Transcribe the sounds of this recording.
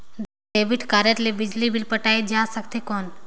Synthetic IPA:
d̪ | eːbiʈʰkaːɾjəɾlebɪd͡ʒlibilpəʈaːed͡ʒaːsəkt̪ekɔːn

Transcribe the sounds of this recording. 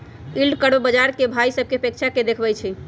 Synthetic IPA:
ilɖkəɽbbəd͡ʒaɾkebʱaisəb̚ʱkeəpekt͡ʃʰaked̪ekʰbɛjt͡ʃʰi

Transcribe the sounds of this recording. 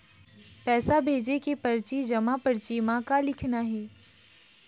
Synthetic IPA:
pɛːsabʱeːd͡ʒekepɐɾt͡ʃid͡ʒɐmapɐɾt͡ʃimãkalɪkʰnaɦɛː

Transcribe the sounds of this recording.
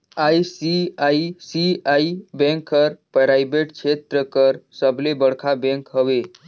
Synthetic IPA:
aisiaisiaibẽŋkːəɾpɾajbeʈkt͡ʃʰet̪ɾəkəɾsəblebəɽkʰabẽŋkɦəʋe

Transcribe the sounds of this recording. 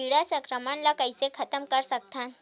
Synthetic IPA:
iɽasəkɾəmanlakəjsekʰət̪əmkəɾsək̚t̪ʰãn

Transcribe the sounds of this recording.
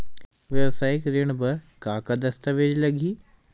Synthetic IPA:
ʋɛbsaːɪkɾɪɽ̃bɪkaːkəd̪ɐst̪əʋeːd͡ʒlɐɡʱiː

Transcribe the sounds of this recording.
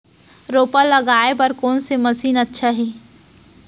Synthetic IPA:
ɾoːpalɐɡaːepəɾkɔːnsemɐsiːnɐtːʃʰaɦiː

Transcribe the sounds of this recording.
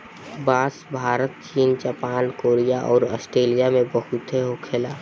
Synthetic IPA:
baːsbʱaːɾət̪̚t͡ʃiːnd͡ʒaːpaːnkoːɾijaʔɔːɾɔsʈɾeːlijamẽbəɦut̪ɦeɦokʰeːlaː

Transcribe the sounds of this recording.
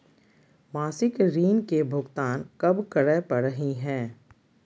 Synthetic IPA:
maːsɪkɾiːnkebʱʊɡt̪aːnkɐbkəɾəpɐɾəɦiɦɛ̃ː

